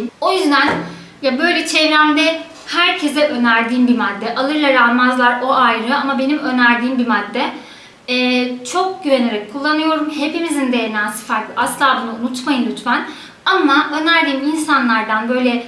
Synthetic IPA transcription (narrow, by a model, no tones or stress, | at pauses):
mo̞jyzd̪æn | jabø̞jlʲɛt͡ʃʰevɾæmd̪ɛ | hæɾcʰe̞zɛʔø̞næɾd̪iːmbimad̪ːɛʔalˠɯɾlˠaɾamazlˠaɾo̞ʔajɾɯamabe̞nimø̞næɾd̪iːmbimad̪ːɛː | t͡ʃʰo̞k̚ɟyveneɾɛkʰːulˠːanɯjo̞ɾumhe̞pimizind̪eenaːsɯ̥faɾklˠɯaslɯlˠaːbunuunut̪majɯnlʲyt̪man | amaʔø̞næɾd̪iːminsanlˠaɾd̪anbø̞jlʲɛ